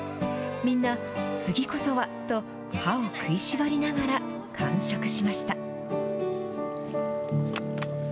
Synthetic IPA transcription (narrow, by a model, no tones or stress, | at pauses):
mʲĩnːa | t͡sɨɡʲiko̞so̞βat̪o̞ | haokʰɯ̟iɕibaɾʲinaɡaɾa | kʰãɰ̃ɕokɯ̟̥ɕimaɕi̥t̪a